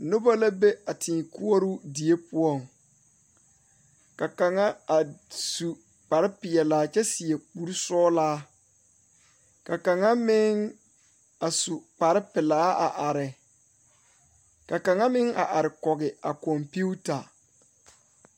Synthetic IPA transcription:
no˦ba˦la˦be˦a˨tʰiː˨ku˦ɔ˦ɾʊ˦di˨e˦pʊ˦ɔ˦˨ŋ | ka˨ka˨ŋa˦a˨su˨ | k͡pa˨ɾɪ˦pɪ˨ɛ˨laː˨˦t͡ʃɛ˦sɪ˨ɛ˨k͡pu˦ɾsɔː˦laː˦ | ka˨ka˨ŋa˦mɪ˦ŋ | a˨su˨k͡pa˨ɾɪ˦pɪ˨laː˨˦a˨ʔa˨ɾɪ˨ | ka˨ka˨ŋa˦mɪ˦ŋa˨ʔa˨ɾɪ˨kɔ˨ɡɪ˨a˨kɔ˨mpi˦u˦ta˨

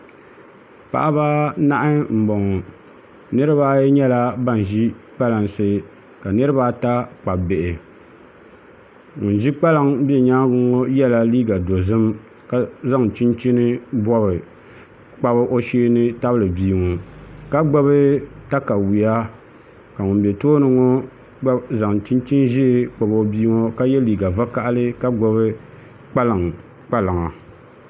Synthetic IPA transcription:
pa̰˨ʔa˦ba˦na˦ʔa˦m̩˨bɔ˨ŋɔ˨ | nɨ˦ɾɨ˦baː˦ɲɛ˦la˦ba˦˨n˨ʒi˦k͡pa˦la˨ŋsɨ˦ | ka˨nɨ˦ɾɨ˦ba˦ta˦k͡pa˨be˨ʔɪ˨ | ʊ˨n˨ʒi˦k͡pa˦la˦ŋbɛ˨ɲaː˦ɡʊ˦ŋo˦jɛ˦la˦liː˦ɡa˨do˨zɨ˦m | ka˦za˦ŋ˨t͡ʃi˦nt͡ʃi˦nɨ˦bɔ˦bɨ˨ | k͡pa˦βɨ˦ʔo˦ʃeː˦nɨ˦ta˦blɨ˨biː˦ŋo˨ka˦ɡ͡ba˦βɨ˦ta˦ka˨wi˨ja˦ | ka˨ŋʊ˨nbɛ˨toː˦nɨ˨ŋo˦ | ɡ͡ba˦za˨ŋ˨t͡ʃi˦nt͡ʃi˦nʒɛ˦˨k͡pa˨bo˨˦biː˦ŋo˦ka˦jɛ˦liː˨ɡa˨va˦ka˦˨ʔlɨ˦ka˦ɡ͡ba˨βɨ˦ | k͡pa˦la˨ŋ | k͡pa˦la˨ŋa˨

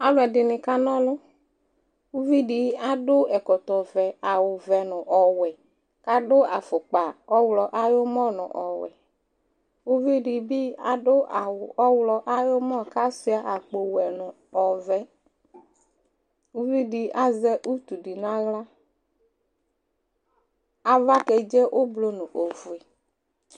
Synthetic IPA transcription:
a˨lʊ˨ɛ˨dɪ˨nɪ˨ka˦nɔ˦lʊ˦ | u˦vi˦di˨˦a˦dʊ˦ɛ˨kɔ˨t̪ɔ˨vɛ˨a˨wʊ˨vɛ˨nʊ˨ʔɔ˨wɛ˨ | ka˦dʊ˦a˨fʊ˨k͡pa˨ɔ˦wlɔ˨ʔa˦jʊ˦mɔ˦˨nʊ̰̃˨ʔɔ˨wɛ̰˨ | u˦vi˦ɖi˨bi˦a˨dʊ˦a˨wɔ˦wlɔ˨ʔa˦jʊ˦mɔ˦ka˦sʊ˦a˨ʔa˨k͡po˨wɛ˨nʊ˨ | ɔ˨vɛ˨ | u˦vi˦ɖi˨a˦zɛ˦ʔu˦t̪u˨di˨nã˦ɣla˦ | a˨va˦kɛ˨d͡ʒɛ˦ʔʊ˦blo˨nʊ̃˨ʔo˨vu˨e˨

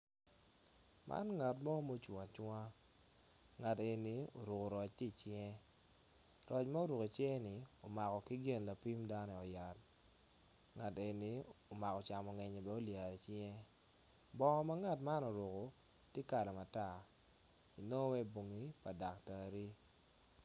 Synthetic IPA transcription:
mʔa̰˦nŋa˨tmɔ˦mo˦t͡ʃwa˨t͡ʃwa˦ | ŋa˨te˨ni˨˦o̰˨ɾʊ˨ko˨ɾɔ˨t͡ʃti˦˨t͡ʃɪ˦ɛ˦ | ɾɔ˨t͡ʃma˦o˦ɾo˨ko˨t͡ʃɛ˦nɪ˨o˨ma˨kɔ˨ki˦ɡɪ˦˨nla˨pi˦mda˦nɔ˦˨ɔ˨ja˨t | ŋa˨te˨ni˨˦o˨ma˨kɔ˨t͡ʃa˨mɔ˨ŋɛ˨ɲe˨bɛ˦o˦lja˨ɾe˨t͡ʃjɛ˦ | bɔ˦ŋɔ˨ma˦ŋa˨tma˦no˨ɾʊ˨ko˨ | tɪ˦ka˨lɔ˨ma˨ta˦˨ | i˨no˦wɛ˦bo˨ŋi˦pa˨da˨kta˨ɾi˦

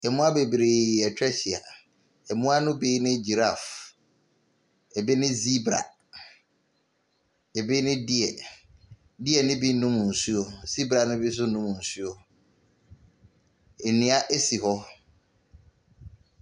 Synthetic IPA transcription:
ɛ˨mʊ̃˦a˦be˨bɾe˨ɛ˨t͡ɕʰᶣɛ˦ɕi˨a̰˨ | ɛ˨mũ˦a˦nʊ̃˦be˦nɪ̃˦d͡ʑi˨ɾa˦˨f | ɛ˨bɛ˦nɪ̃˦zi˦bɾa̰˨ | ɛ˨bi˦nɪ̃˦di˦ɛ˨ | di˦ɛ˨nɪ̃˦bi˦nũ˦m̃˨n̩˨su˦o˨si˦bɾa˨nʊ̃˦bi˦s̬ʊ˦nʊ̃˦mʊ̃˨n̩˨su˦o˨ | ɛ˨nĩ˦a˦ʔe˦si˨hɔ˦

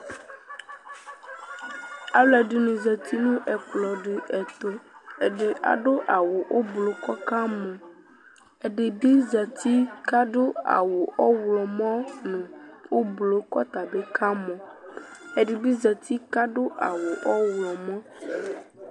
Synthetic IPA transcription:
a˦lɛ˨ɖi˨nũ˨zɛ˨t̪ʰi˦nũ˦ʔɛ˨k͡plɔ˨ɖe˨ʔɛ˨t̪o˦e˨ɖe˨ʔa̰˨ɖo˦ʔa˨wo˨ʔo˦blo˦kɔ˦ka˦mɔ̃˨ | e˨ɖe˨bi˦zɛ˨t̪i˦ka˦ɖo˦a̰˨wo˨ʔɔ˦wlɔ˨mɔ̃˦nũ˨wo˦blo˦kɔ˦t̪a˨be˦kʰa˦mɔ̃˨ | e˨ɖe˨bi˦zɛ˨t̪i˦ka˦ɖo˦ʔa˨wo˨ʔɔ˦wlɔ˨mɔ̃˦

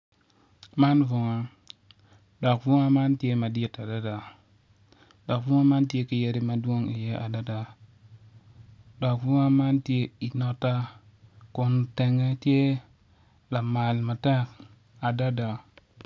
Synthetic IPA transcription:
ma˦nvu˨ŋa˦ | da˨kvu˦ŋa˦ma˦nti˦e˦ma˨di˦˨ta˨da˦da˨ | da˨kvu˦ŋa˦ma˦nti˦e˦ki˨je˦ɾi˦ma˨du˦o˦ŋi˨je˦ʔa˨da˦da˨ | da˨kvu˦ŋa˦ma˦nti˦e˦i˨no˦ta˦ | ko˨n˨te˨ŋe˦ti˦e˦ | la˨ma˨lma˨ta˦k | a˨da˦da˨

